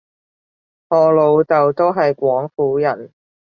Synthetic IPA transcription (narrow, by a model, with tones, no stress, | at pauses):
hɔː˨˧lo˨˧wt͡sɐ˨wt̪o˥wɦɐ˨jkʷɔː˨˥ŋfuː˨˥jɐ˨˩n